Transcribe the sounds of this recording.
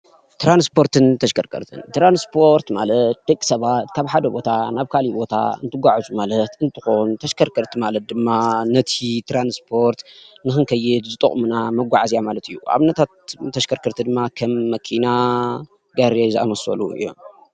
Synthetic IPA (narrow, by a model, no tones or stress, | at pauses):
t̪ɾanspʰo̞ɾt̪ɨnt̪ʰɐʃkʰɐɾkʰɐ̰ɾt̪ʰɨ̰nt̪ɾanspʰo̞ɾt̪malɐt̪̚d̪ekʼi̥sɐβat̪kʰaβħad̪ɐbo̞t̪ʰanaβkʰalibo̞t̪ʰa̰ɨ̰nt̪ʰɨɡʷaʕzumalɐt̪ɨnt̪ʰɨxont̪ʰɐʃkʰɐɾkʰɐɾt̪ʰimalɐt̪̚d̪ɨmːanɐt̪ʰit̪ʰɾanspʰo̞ɾt̪nɨxɨnkʰɐjːɪd̪zɨt̪ʼɐ̰munamɐɡʷaʕazijamalɐt̪ʰɨjːua̰βɨnɐt̪ʰat̪t̪ʰːɐʃkʰɐɾkʰɐɾt̪ʰid̪ɨmːakʰɐmːɐkʰina | ɡaɾezɨa̰mɐsɐ̰lṵɨ̰jːo̰m